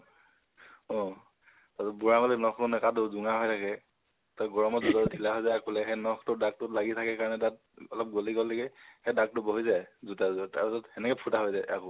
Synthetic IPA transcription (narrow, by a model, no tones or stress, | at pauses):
ɔ̃ | tatɔbuɹamalinɔktʊnɛkadʊzʊŋaɦɔjtʰakɛ | taɡɔɹɔmɔzutadʰʱilaɦɔjzajakʊlɛxɛnɔxtʊdak̚tʊlaɡitʰakɛkaɹɔnɛtat̚ | ɔlɔp̚ɡoliɡɔlːɛɡɛxɛdak̚tʊboɦizajzutaztaɹpisɔtxɛnɛkɛpʰutaɦɔjzaja̰kʊ